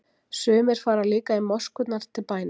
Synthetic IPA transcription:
sʏːmɪɾ̥faːɾalɪːkaɪmːɔ̥skʏt̪naɾ̥t̪ʰɪlpaːjn

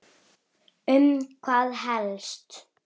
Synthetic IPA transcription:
ʏmkʰvaːðɦɛlst̪

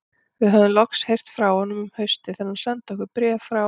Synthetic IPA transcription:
vɪðɦaðʏnlɔkshejr̥t̪fɾawhɔnːʏmʏmhœɥst̪ɪθɛɾnːḁsant̪ɔhkʏpɾɛːfɾa

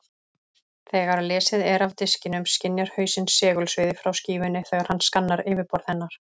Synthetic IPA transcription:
θɛːɣaɾlɛːsɪðɛɾavt̪ɪscɪnʏmscɪnjɛɾ̥hœːɥsɪnsːɛːɣʏlsvɪːðɪfɾawsciːvʏnːɪθɛːɣaɾ̥hanskanːaɾɪːvɪɾpɔɾðhɛnːaɾ̥

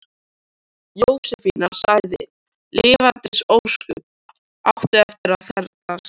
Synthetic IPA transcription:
jowsɛfinaɾ̥saɣðɪ̰ | lɪːvant̪ɾɪsowskʏp̚ | awht̪ʏɛft̪ɪɾaðθɛɾt̪as

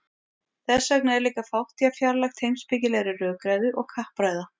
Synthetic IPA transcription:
θɛsːaknɛɾliːkafawht̪ijafjaɾlaxt̪hejmspɪcɪlɛɣɾɪrœːkɾajðʏʔɔɣkʰahpɾajða

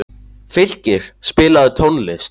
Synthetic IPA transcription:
fɪl̥cɪɾ̥spɪːlaðʏt̪ʰonlɪs

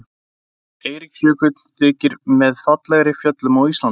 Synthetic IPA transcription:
eːjɾɪksjœːkʏt̪θɪːcɪɾmɛðfat̪lɛɣɾɪfjœt̪lʏmawist̪lan

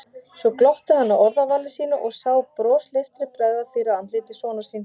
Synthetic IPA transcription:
svɔklɔht̪ɪhanːawɔɾðavanːɪsiːnaʔɔɣsaːwpɾɔːsleft̪ɾɪpɾaːjɣðafɪːɾaant̪lɪːt̪ɪsɔːnḁsiːn

